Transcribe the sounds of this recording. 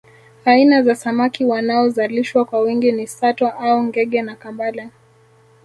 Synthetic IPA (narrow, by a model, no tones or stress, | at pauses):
ainazasamakiwanaɔzaliʃwakwawiŋɡinisatwaʔauŋɡɛɠɛnakambala